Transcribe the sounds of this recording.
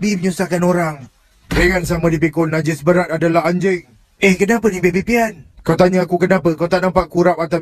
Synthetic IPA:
biməɲusahkanoɾaŋ | ɾeŋansamadip̬ikonːad͡ʒɪsbəɾat̪̚adalaɦaɲd͡ʒɪŋ̚ | ehkənapənipepipiankawt̪aɲaakukənãpəkawt̪aʔnãmpaʔkuɾap̚at̪aw

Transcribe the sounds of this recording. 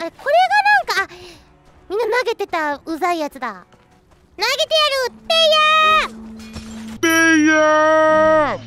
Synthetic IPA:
aekʰo̞ɾe̞ɡanãŋkaː | mʲĩnːanaɡe̞t̪e̞t̪aɯsaijat͡sɨd̪a | naɡe̞t̪e̞jaɾɯt̪ːeja | t̪eja

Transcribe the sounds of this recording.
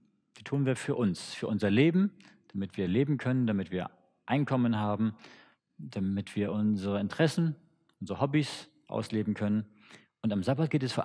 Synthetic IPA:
v̥iːtʰuːənviːɐfyːɐʔʊnsfyːɐʔʊnzɐleːbm̩d̥amɪtv̥iːɐleːbm̩kʰœnəndamɪtv̥iːɐ | ʔaɪnkʰɔmənɦaːbm̩ | d̥amɪtv̥iːɐʔʊnzəʁəɪntʁ̥ɛsn̩ | ʔʊnzəʁəhɔbis | ʔa̰ʊsleːbm̩kʰœnən | ʔʊntamzabat̚ɡ̥eːtɛsfyːɐ

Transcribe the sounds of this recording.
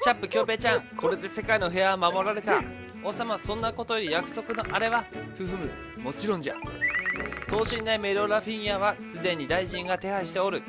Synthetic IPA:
t͡ɕapːɯ̟kʲo̞ːbe̞ːt͡ɕãŋkʰo̞ɾe̞d̪e̞se̞kaino̞ɦe̞amamo̞ɾaɾe̞t̪a | oːsamasõ̞nːako̞t̪o̞joɾʲijakɯ̟̥so̞kɯ̟no̞ʔaɾe̞βaɸɯ̟ɸɯmɯ̟ | mo̞t͡ɕiɾõ̞ɲ̟d͡ʑa | t̪o̞ːɕĩnd̪aime̞ɾo̞ɾaɸʲĩɰjaβasɨd̪e̞ɲ̟id̪aiʑĩŋɡat̪e̞haɕi̥t̪e̞o̞ɾɯ̟

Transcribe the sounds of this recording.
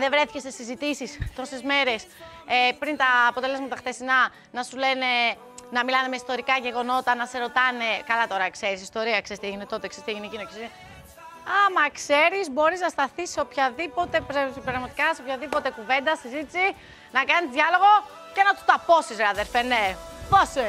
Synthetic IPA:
ðevɾe̞θi̥cest̪esizit̪isist̪o̞se̞zme̞ɾe̞s | epɾint̪ɐːpo̞t̪elezmɐt̪ɐxθesinɐ | nɐsule̞ne̞ | nɐmilɐne̞meist̪o̞ɾikɐʝe̞ɣo̞no̞t̪ɐnɐse̞ɾo̞t̪ɐne̞kɐlɐt̪o̞ɾɐkse̞ɾisist̪o̞ɾiɐksest̪eʝinet̪o̞t̪eksest̪eʝinecinokesi | ɐmɐkse̞ɾizbo̞ɾiznɐst̪ɐθiseopçɐðipo̞t̪e̞pɾepɾɐɣmɐt̪i̥kɐseopçɐðipo̞t̪e̞kuve̞nd̪ɐsizit̪isi | nɐkɐnizðʝɐlo̞ɣo̞ | ce̞nɐt̪u̥t̪ɐpo̞sizɐðelfene̞pose

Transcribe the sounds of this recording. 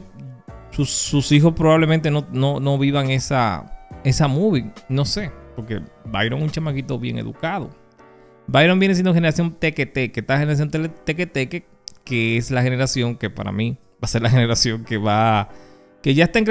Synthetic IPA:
susːusixo̞spɾo̞βaβlement̪enonono̞βiβaŋe̞sa̰e̞samuβino̞se̞po̞ɾke̞̰bajɾoŋuɲt͡ʃamakit̪o̞βje̞̰ŋḛðṵkaðo̞̰ | bajɾoŋbjenes̬jend̪xeneɾasjo̞nt̪eket̪ekest̪ahene̞ɾasjonet̪eket̪eke | keeslaxe̞ne̞ɾasjo̞ŋke̞pa̰ɾa̰mi | base̞ɾlaxe̞ne̞ɾasjo̞ŋkeβa | ke̞ʝaest̪aeŋk

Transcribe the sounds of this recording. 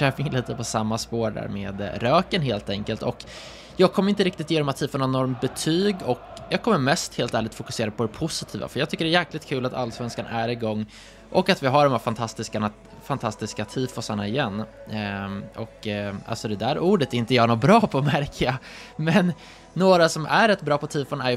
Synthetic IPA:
ɛːpɪŋliːt̪əpʰɔsamːaspoːɖæ̰ːɾmeːd̪ɾøːkənɦeːlt̪ɛŋkəlt̪ɔk | jɑːɡ̚kʰɔmːɾɪnt̪əɾɪkt̪ɪt̪jeːd̪ɔmat̪ʰːiːd̪fəɾnɔnːɔɾmbɛt̪ʰyːɡɔkjɑːɡ̚kʰɔmːəɾmɛst̪heːlt̪æːɭɪɡ̚t̪fʊkɵseːɾad̪pʰɔd̪ɛpʰʊsɪt̪ʰiːva̰fœɾjɑːɡt̪ʰʏkːəɖɛjæːklɪt̪̚kʰʉ̟ːlat̪ʰa̰lːsvɛnskanæɾɪɡɔŋː | ʔɔkːat̪vɪɦaɖɔmhæɾfant̪ʰast̪ɪskana | fant̪ʰast̪ɪskat̪ʰiːfɔsaɳaɪjɛnː | ɔkʔa̰lsɔd̪ɛd̪æːɾuːɖət̪ɪnt̪əjɑːɳɔbɾɑːpʰɔmæɾkʰəamɛnː | oːɾasɔmæɾɛt̪ːbɾɑːpʰɔt̪ʰiːfɔnæj

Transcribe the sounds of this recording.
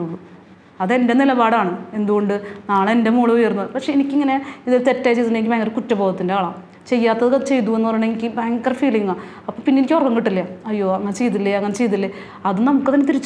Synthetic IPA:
uɭːu | ɐðe̞ndenilɐbaːɽaːɳɨe̞nd̪uɣo̞ɳɖɨnaːɭendemuːɭɐʋujɐrunːɐðɨpɐkʂe̞enikʲːiŋːɐne̞iðilt̪etːaːjt͡ɕejt̪ːiɳːɖenikʲːibaːŋɡɐrkutːɐbo̞ːɣɐt̪ːindeaːɭaː | t͡ɕe̞jːaːt̪ːɐðɨkɐt͡ɕe̞jt̪uenːɨpɐrɐjuɳeŋikʲːɨbaːŋɡɐrfiːliŋːa | ɐpːoːpinːenikʲːorɐkɐŋkiʈːilːɐɐjːo̞ːɐŋːɐnet͡ɕe̞jt̪̬ːilːɐɐŋːɐnet͡ɕe̞jit̪̬ːilːe | ɐðɨnɐmukːɨt̪ɐnːet̪iɾit͡ɕː

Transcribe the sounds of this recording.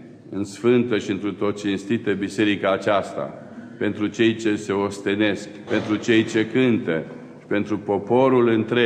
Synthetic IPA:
ɨnsfɨnt̪əʃiɨnt̪ɾut̪ot̪̚t͡ʃinst̪it̪əbise̞ɾikaːt͡ʃast̪a̰ | pe̞nt̪ɾut͡ʃe̞jt͡ʃe̞se̞ost̪ene̞sk | pe̞nt̪ɾut͡ʃe̞jt͡ʃe̞kɨnt̪e | ʃi̥pe̞nt̪ɾupo̞po̞ɾulɨnt̪ɾe

